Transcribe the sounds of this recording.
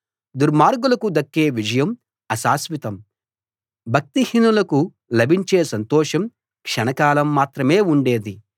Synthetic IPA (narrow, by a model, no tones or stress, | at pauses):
d̪uɾmaːɾɡulɐkud̪ɐkːe̞ːʋid͡ʒɐjɐm | ɐsaːsʋit̪ɐm | bʱɐk̚t̪ihinulɐku | lɐbʱiɲt͡ʃeːsɐnt̪ɔːʂɐm | kʂɐnɐkaːlɐmːaːt̪ɾɐmeːuɳɖe̞ːd̪i